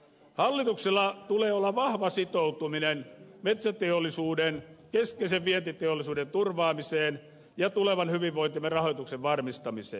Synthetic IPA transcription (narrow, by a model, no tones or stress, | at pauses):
hɑlːit̪ukselːɑt̪uleːolːɑʋɑhʋɑsit̪out̪uminenmet̪sæt̪eolːˑisuːdenkeskeiseʋʋient̪it̪eolːˑisuːdent̪urʋɑːmiseːn | jɑt̪uleʋɑnhyʋiʋʋoint̪imerɑhot̪ukseʋʋɑrmist̪ɑmisḛːn